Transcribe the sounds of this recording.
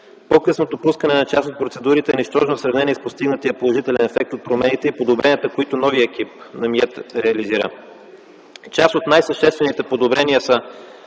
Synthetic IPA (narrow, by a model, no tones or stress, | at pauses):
pokɤsnot̪opuskənɛnɐt͡ʃasot̪̚pɾot̪sɛd̪uɾit̪ɛːniʃt̪ɔʒnosɾɐvnɛniɛspost̪iɡnət̪iəpolˠoʒit̪ɛlɛnɛfɛk̚t̪ot̪̚pɾomɛnit̪ɛipod̪obɾɛniət̪əkoit̪ʊnɔviəɛk̟ip̚nɐmiɛt̪ɾɛɐliziɾə̰ | t͡ʃasot̪najsɐʃt̪ɛst̪vɛnit̪ɛpod̪obɾɛniəsə